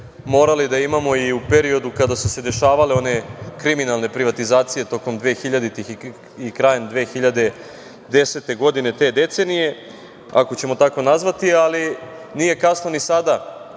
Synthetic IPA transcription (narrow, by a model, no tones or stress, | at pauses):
mo̞ːɾalid̪aimamo̞iupe̞ɾio̞d̪ukad̪asuse̞d̪e̞ʃaːʋaleo̞ne̞kɾiminalˠne̞pɾiʋat̪izaːt̪sije̞t̪o̞ko̞md̪ʋe̞ːxiʎad̪it̪i | ikɾaːjend̪ʋeːxiʎad̪e̞ | d̪e̞se̞t̪e̞ɡo̞d̪ine̞t̪e̞ːd̪e̞t̪se̞nije̞ | a̰ko̞t͡ɕe̞mo̞t̪ako̞nazʋat̪ialinije̞kasno̞nisad̪a